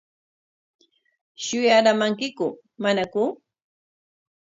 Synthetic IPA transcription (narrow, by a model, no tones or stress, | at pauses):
ʃʊjaɾamaŋkɪkʊ | manakʊ